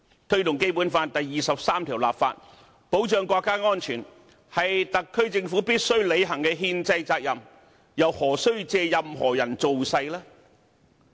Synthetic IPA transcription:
t̪ʰɵ˥ɥt̪ʊ˨ŋke˥jpu˨˥nfaː˧nt̪ɐ˨jːiː˨sɐ˨p̚saː˥mt̪ʰiː˨˩wla̰ː˨p̚fa̰ː˧t̚ | po˨˥wt͡ʃœː˨˧ŋkʷɔː˧kːaː˥ŋɔː˥nt͡ʃʰyː˨˩n | hɐ˨jt̪ɐ˨kʰːɵ˥ɥt͡sɪ˧ŋfuː˨˥piː˥t̚sɵ˥ɥle˨˧jɦɐ˨˩ŋkɛː˧ɦiː˧nt͡sɐ˧jt͡saː˧k̚jɐ˨m | jɐ˨˩whɔː˨˩sɵ˥ɥt͡sɛː˧jɐ˨mhɔ̰ː˨˩jɐ˨˩nt͡so˨wsɐ˧jlaː˥

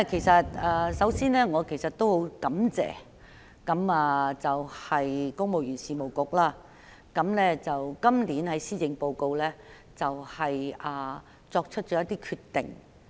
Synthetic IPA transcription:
kʰe˨˩jsɐ˨t̚ɐː˧sɐ˨˥wsiː˥nlɛː˥ŋɔː˨˧kʰe˨˩jsɐ˨t̚t̪o˥who˨˥wkɐ˨˥mt͡sɛ̰ː˨˩ | kɐ˨˥maː˨˧t͡sɐ˨whɐ˨jkʊ˥ŋ̚mo˨wjyː˨˩nsiː˨˧mo˨wkʊ˨k̚laː˥ | kɐ˨˥mlɛː˥t͡sɐ˨wkɐ˥mliː˨˥nhɐ˨˥jsiː˥jɪ˨˧ŋpo˨˧wko˧wlɛː˥ | t͡sɐ˨whɐ˨jʔɐː˨˩ | t͡sɔː˧k̚t͡ʃʰɵ˥t̚t͡ʃɔː˨˧˥ɐ˥t̪i˥kʰyː˧tt̪ɪ̰˨˩ŋ

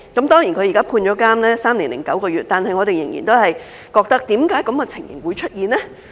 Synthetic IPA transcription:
kɐ˨˥mt̪ɔː˥ŋjiː˨˩nkʰɵ˨˧ji˨kaː˥pʰuː˧nt͡ʃɔː˨˥kaː˥mlɛː˥saː˥mliː˨˩nlɪ̰˨˩ŋkɐ̰˨˥wkɔː˧ɥyː˨t̚t̪aː˨nhɐ˨jŋɔ˨˧e˨jɪ˨˩ŋjḭ˨˩nt̪o˥whɐ˨j | kɔː˧k̚t̪ɐ˥k̚t̪iː˨˥mkaː˨˥jkɐ˨˥mkɛ˧t͡sʰɪ˨˩ŋjɪ̰˨˩ŋwu˨˧jt͡ʃʰɵ˥t̚jiː˨nlɛː˥

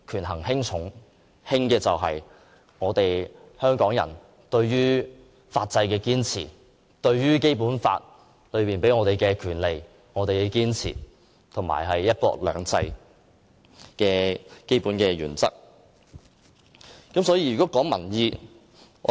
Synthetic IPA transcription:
kʰyː˨˩nɦɐ˨˩ŋhɪ˥ŋt͡sʰʊ˨˥ŋ | hɪ˥ŋkɛː˧t͡sɐ˨wɦɐ˨j | ŋɔː˨˧t̪e˨j | hœː˥ŋkɔː˨˥ŋjɐ̰˨˩n | t̪ɵ˧ɥɥyː˥ | faː˧t̚t͡sɐ˧jkɛː˧kiː˥nt͡sʰḭː˨˩ | t̪ɵ˧ɥjyː˥ke˥jpuː˨˥nfa̰ː˧t̚ | lɵ˨˧ɥpiː˨npe˨˥jŋɔː˨˧ɾe˨˩jkɛː˧kʰyː˨˩nle˨j | ŋɔː˨˧t̪e˨jkɛ˧kiː˥nt͡sʰḭː˨˩ | t̪ʰʊ˨˩ma̰ː˨˩jɦɐ˨jːɐ˥t̚kɔ̰ː˧lœ̰ː˨˧ŋt͡sɐ˧j | kɛː˧ke˥jpuː˨˥nkɛː˧ɥy̰ː˨˩nt͡sɐ̰˥k̚ | kɐ˨˥msɔ˨˥jiː˧jy˨kɔː˨˥kɔː˨˥ŋmɐ˨˩njiː˧˨

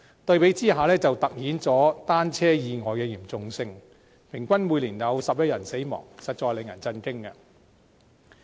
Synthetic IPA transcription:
t̪ɵ˧ɥpe˨˥jt͡siː˥ɦaː˨˩lɛː˥t͡sɐ˨wt̪ɐ˨k̚hiː˨˥nt͡sɔː˨˥t̪aː˥nt͡sʰɛː˥jiː˨˧ŋɔː˨jkɛː˧jiː˨˩mt͡sʊ˨˧ŋsɪ˧ŋ | pʰɪ˨˩ŋkʷɐ˥nmuː˨˧jliː˨˩jɐ˨˧wsɐ˨p̚jɐ˥t̚jɐ˨˩nse˨˥jmɔ̰ː˨˩ŋsɐ˨t̚t͡sɔː˧jle˨ŋjɐ̰˨˩nt͡sɐ˧nkɪ˥ŋa̰˧

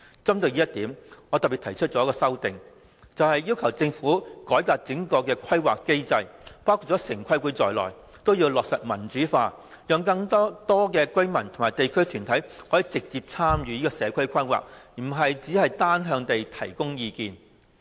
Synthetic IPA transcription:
t͡sɐ˥mt̪ɵ˧ɥjiː˥jɐ˥t̪̚iː˨˥mŋɔː˨˧t̪ɐ˨˩piː˨t̪ʰjt͡ʃʰɵ˥t̚t͡ʃɔ˨˥kɔː˧sɐ˥wt̪ɪ˨ŋ | t͡sɐ˨whɐ˨jjiː˥wkʰɐ˨˩wt͡sɪ˧ŋfuː˨˥kɔː˨˥jkaː˧t̚t͡sɪ˨˥ŋkɔː˧kɛː˧kʰɐ˥jwaː˨kːe˥jt͡sɐ˧jpaː˥wkʰuː˧˩t̚t͡sɔ˨˦˥sɪ˨˩ŋkʰɐ˥jku˨˥jt͡sɔː˨jlɔ̰ː˨˩j | t̪o˥wjiː˧wlɔː˨k̚sɐ˨t̚mɐ˨˩nt͡ʃyː˨˥faː˧ | jœː˨ŋkɐ˧ŋt̪ɔː˥t̪ɔː˥kɛː˧kɵ˥ɥmɐ˨˩nt̪ʰʊ˨˩ŋmaː˨˩jt̪e˨jkʰɵ˥ɥt̪ʰyː˨˩nt̪ʰɐ˨˥jhɔː˨˥jiː˨˧t͡sɪ˨k̚t͡siː˧p̚t͡sʰaː˥mjyː˨˧jiː˥kɔː˧sɛː˨˧kʰɵ˥ɥkʰɐ˥jwa̰ː˨k̩̚˨˩ɦɐ˨jt͡siː˨˥hɐ˨jt̪aː˥nɦœː˧ŋt̪e˨jt̪ʰɐ̰˨˩jkʊ˥ŋjiː˧kiː˨˧n

